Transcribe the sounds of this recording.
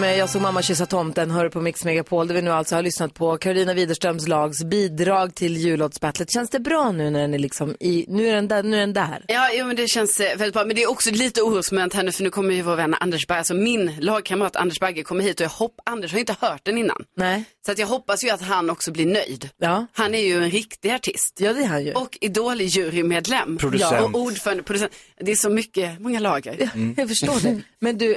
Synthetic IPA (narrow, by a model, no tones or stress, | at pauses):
mɛjɑːɡsoːɡmamːaɕʏs̬at̪ʰɔmt̪ɛnɦœːɾɪpʰɔmɪksmɛɡapʰoːld̪ɛvɪnʉ̟ːalsɔhaɭʏsnat̪̚pʰɔkʰaɾʊliːnaviːd̪əʂʈɾœmslɑːɡsbiːd̪ɾɑːɡt̪ʰɪljʉ̟ːlɔːd̪sbɛt̪ʰːlət̪ɕɛnsd̪ɛbɾɑːnʉ̟ːnæɖɛnæɭɪksɔmɪnʉ̟ːæɖɛnd̪ɛnʉːæɖɛnd̪æ̰ːɾjɑːjuːmɛnd̪ɛɕɛnsvɛlɪt̪̚bɾɑːmɛnd̪ɛːɾɔksɔliːt̪əuːɾusmɛnt̪hɛnːəfœɳʉ̟ːkʰɔmːəɾjɵvoːɾvɛnːʔa̰nd̪ɛʂbæɡasɔmɪnlɑːɡ̚kʰaməɾɑːt̪ʰa̰nd̪əʂbɛɡəkʰɔmːahɦiːt̪ɔjɑːɡhɔpːand̪əʂ̬haɾʏɪnt̪əhœːʈ̚d̪ɛnɪnːa̰nnɛsɔat̪jɑːɡɦɔpːasjɵat̪ɦanɔksɔblɪɳœjd̪ɑhanæɾjɵɛnɾɪkt̪ɪaʈʰɪst̪jɑːd̪ɛhanj̰ɔkʰːɪd̪oːlɪjʉ̟ːɾɪmeːd̪lɛmːɾʊd̪ɔʔuːɖfœːɾand̪əpʰɾʊd̪ɵsɛn | d̪ɛːʂɔmʏkːəmɔŋːalɑːɡə̰ɾjafœʂoːɖɛmɛnd̪ʉ